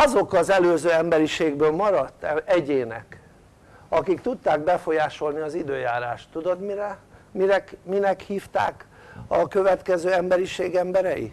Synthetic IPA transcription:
ɒzo̞kɒzɛløːzøːɛmbɛɾiʃeːɡbøːlmɒɾɒt̪ːɛɛɟeːnɛ̰k | ɒkikt̪ut̪ːaːɡ̚bɛfo̞jaːʃo̞lniɒzid̪øːjaːɾaːʃt̪ːud̪o̞d̪miɾɛmiɾɛkminɛkhiːft̪a̰ːk | ɒkø̞vɛt̪kɛzøːɛmbɛɾiʃeːɡɛmbɛɾɛjḭ

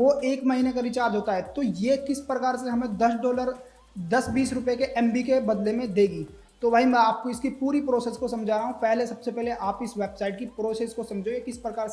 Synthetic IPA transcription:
ʋoeːkmɐɦiːnekaɾɪt͡ʃaːɾd̪ɦoːt̪aɦɛːt̪ojekɪspɾɐkaːɾseɦɐmẽd̪ɐsɖɔːləɾ | d̪ɐsbiːsɾʊpekeʔɛ̃ːmbikebɐd̪lemẽd̪eːɡiː | t̪oʋaɦimɛ̃aːp̚koɪskipuːɾipɾoːsɛːskosɐ̃md͡ʒʱaːɾaɦũpɛɦlesɐbsepɛɦleʔaːpɪsʋeːbsaːɪʈ̚kipɾoːseskosɐ̃md͡ʒʱoɡekɪspɾɐkaːɾse

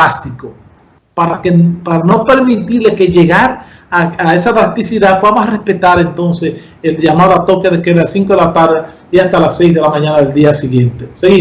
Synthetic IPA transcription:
ast̪iko | paɾakepaɾano̞pe̞ɾmit̪iɾleke̞ʝeɣaɾ | aaesat̪ɾast̪isiðakamosrespe̞t̪aɾent̪o̞nses | elʝamaoat̪o̞keðekeðasiŋkoðelat̪aɾðe | iast̪alasːejzðe̞lamãɲanaðeld̪iasiɣje̞nt̪eseɣi

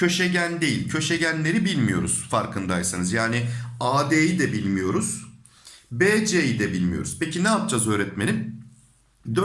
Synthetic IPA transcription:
cʰø̞ʃeɟænd̪ejilʲcʰø̞ʃeɟænlʲe̞ɾibilʲmijo̞̰ɾuz̥faɾkʰɯnd̪ajsanɯzjaːniaːd̪eːjid̪ɛbilʲmijo̞ɾuz̥ | beːd͡ʒejid̪ɛbilʲmijo̞̰ɾuz̥pecinɛap̚d͡ʒazø̞ːɾɛt̪menʲim | d̪

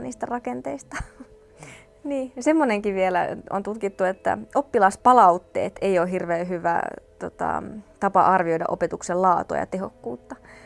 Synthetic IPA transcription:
niːst̪ærɑkent̪eist̪ɑ | niːsemːoneŋkiʋʋielæ̰o̰nt̪ut̪kit̪ːuet̪ːæ̰opːilɑspɑlɑut̪ːḛːt̪eijoːɦirʋeːɦyʋæ̰t̪ot̪ɑ̰t̪ɑpɑ̰ʔɑrʋio̞idɑ̰ʔopet̪uksellɑːt̪o̰ɑ̰jɑ̰t̪ehokːuːt̪ːɑ

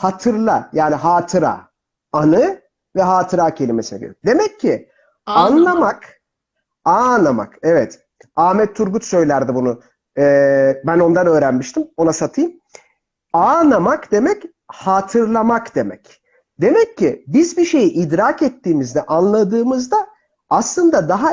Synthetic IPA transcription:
hat̪ʰɯɾlˠajaːniɦaːt̪ʰɯɾa̰ː | anɯ | vɛɦaːt̪ʰɯɾaːcʰe̞lʲimesinɛ̰ɟḛɾd̪e̞mɛcʰːi | anlˠamak | anˠama̰kɛvɛt̪ | aːmɛt̪ʰːuɾɡut̪sø̞jlʲæɾd̪ibunʊː | bæno̞nd̪anø̞ːɾænmiʃt̪ʰimo̞nasat̪ʰɯjɯm | anamakd̪e̞mɛc | haːt̪ʰɯɾlˠamakd̪e̞mɛc | d̪e̞mɛcːɪbizbiʃe̞jiʔid̪ɾaːkɛt̪ːiːmizd̪ɛʔanlˠad̪ɯːmɯzd̪aː | slˠɯnd̪ad̪aɦa

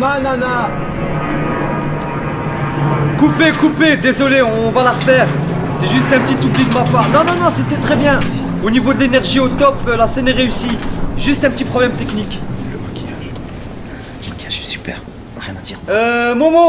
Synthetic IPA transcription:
nanana | kupekuped̪ezɔleɔ̃valaʁfɛːʁ | sɛʒyst̪ɛ̃pət̪it̪uplid̪əmapaʁnɔ̃nɔ̃nɔ̃set̪ɛt̪χɛbjɛ̃ | onivod̪əlenɛʁʒiot̪ɔpølaseneʁeysiʒyst̪ɛ̃pət̪ipχɔblɛmt̪ɛknikləmɔkʲijaʒ | mɔkʲiasy̥pɛ̰ʁ | ʁjɛ̃nad̪iʁømɔ̃mo

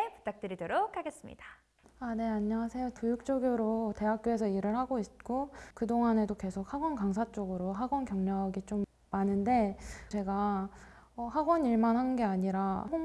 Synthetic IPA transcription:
epu̥t͈ak̚t͈ɯɾidoɾokʰaɡe̞s͈ɯmɲḭda | ane̞aɲːʌŋasʰe̞jotujuk̚t͡ɕ͈ʌɡjoɾote̞ɦak͈joe̞sʰʌiɾɯɭhaɡoit̚k͈okɯdoŋɦane̞doke̞sʰok̚haɡwʌnkaŋs̬ʰat͡ɕ͈oɡɯɾoɦaɡwʌnkjʌŋɲʌɡit͡ɕom | mːanɯnde̞t͡ɕe̞ɡa | ʌhaɡwʌniɭmanɦanɯnɡe̞aɲiɾaɦo

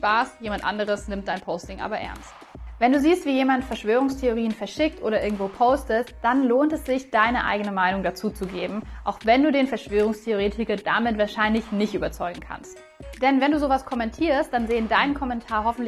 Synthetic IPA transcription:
paːsjeːmantʔa̰ndəʁ̞əsnɪmt̚d̥aɪnpʰoʊstɪŋʔa̰ːbɐʔɛ̰ɐnst | vɛnduːziːstv̥iːjeːmantfɛɐʃv̥øːʁ̞ʊŋstʰeoʁ̞iːənfɛɐʃɪk̚tʔo̰ːɾɐʔɪɐɡŋ̩tv̥oːpʰoʊstəsd̥anloːntɛsz̥ɪçd̥aɪnəʔa̰ɪɡənəmaɪnʊŋdat͡suːt͡suɡeːbm̩ʔaʊxvɛnduːdeːnfɛɐʃv̥øːʁ̞ʊŋstʰeoʁeːtʰɪkɐda̰mɪtv̥aːɐʃaɪnlɪçnɪçtʔyːbɐt͡sɔʏɡŋ̩kʰa̰nst | d̥ɛnvɛnduːzoːvaskʰɔmɛntʰiːɐst̚d̥anzeːəndaɪnənkʰɔmɛntʰaːɐɦɔfn̩t

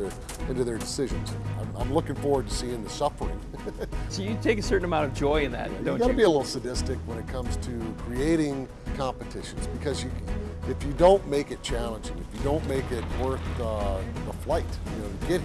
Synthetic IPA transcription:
ə˞ | ɪ̃ntʉðə˞dɨsɪʒɨ̃nz̥ã̰ɪ̃mã̰ɪ̃mlʊkɪ̃ŋfɔɹwə˞d̚tʰɨsiɨ̃nðəsʌfə˞ɪ̰̃ŋ | soʊjɨtʰeɪkɨsɜ˞ʔn̩əmãʊ̃ntʌvd͡ʒɔɪɨ̃nðæ̰tõʊ̃ɡɑɾəbiɨlɪɾl̩ˠsɨdɪstɨkwə̃nɨt̚kʰʌ̃mz̥tʰɨkʰɹ̥ieɪɾɪ̃ŋ | kʰɑ̃mpɨtʰɪʃɨ̃nzbɨkʰʌzjɨɨfjɨdõʊ̃nmeɪkɨt̚t͡ʃʰælˠə̃nd͡ʒɪ̰̃ŋɨfjɨdõʊ̃nmeɪkɪt̚wɜ˞θ | əflaɪtjɨnoʊɡɛt̚

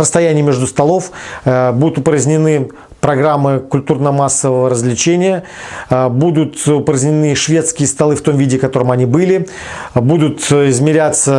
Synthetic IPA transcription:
ɾəst̪ɐjænʲɪjmʲɪʐd̪ʊst̪ɐlˠo̞fbud̪ʊt̪ʊpɾəzʲnʲɪnɨ | pɾɐɡɾamːɨkʊlʲt̪urnəmasːəvəvəɾəzvlʲɪt͡ɕenʲɪjə | bud̪ʊt̪ʊpɾəzʲnʲɪnɨʂvʲe̞t̪skʲɪjəst̪ɐlˠɨft̪o̞mvʲidʲɪkɐt̪o̞ɾəmɐnʲibɨlʲɪ | bud̪ʊt̪ɪzmʲɪɾʲat̪sə

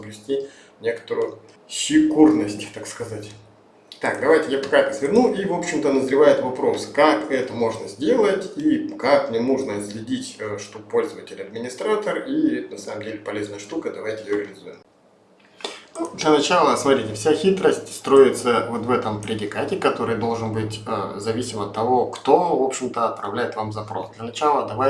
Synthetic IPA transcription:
bvʲɪsʲtʲi | nʲe̞kə̥t̪əɾʊjʊ | sʲɪkurnəsʲtʲt̪akskɐzatʲ | t̪akd̪ɐvajtʲɪjapɐkaɛt̪əsvʲɪrnuʔivo̞pɕːɪmt̪ənəzɾʲɪvajɪt̪vɐpɾo̞sɨ̥kakɛt̪əmo̞ʐnəzʲdʲe̞lˠətʲikaknʲɪnuʐnəzlʲɪdʲitʲəʂt̪ukpo̞lʲzəvətʲɪlʲɐd̪mʲɪnʲɪst̪ɾat̪ərinɐsaməmdʲelʲɪpɐlʲe̞znəjəʂt̪ukəd̪ɐvajtʲɪjɪjoɾʲɪlʲɪzujɪm | nud̪lʲənɐt͡ɕalˠəsmɐt̪ɾʲitʲɪfsʲaxʲit̪ɾəsʲtʲst̪ɾo̞ɪt̪səvo̞t̪vɛt̪əmpɾʲɪdʲɪkatʲɪkɐt̪o̞ɾɨjd̪o̞lˠʐɨnbɨtʲə̰zɐvʲisʲɪmɐt̪ːɐvo̞kt̪o̞vo̞pɕɪmt̪əɐt̪̚pɾɐ̰vlʲæjɪt̪vamzɐpɾo̞̰sd̪lʲənɐt͡ɕalˠəd̪ɐvaj

